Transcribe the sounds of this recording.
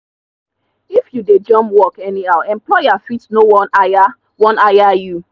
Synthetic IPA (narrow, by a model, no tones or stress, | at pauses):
ifjuded͡ʒɔ̃mpwɔkɛnihaʊɛ̃mplɔɪafitnowɔnaja | wɔ̃najaju